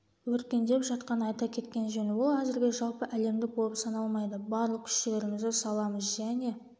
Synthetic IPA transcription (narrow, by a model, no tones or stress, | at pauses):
wɵɾkʲe̞nd̪e̞pʒɑt̪qɑnɑjt̪ɑkʲʰe̞t̪kʲe̞nʒɵnɪwo̞lˠæzɪɾɡʲe̞ʒɑlˠpəʔæle̞md̪ɪk̚bo̞lˠəpsɑnɑlˠmɑjd̪əbɑɾlˠəq̚kʲʰʏ̥ʃt̪ɪle̞ɾɪmɪzd̪ɪsɑlˠɑməzʒæne̞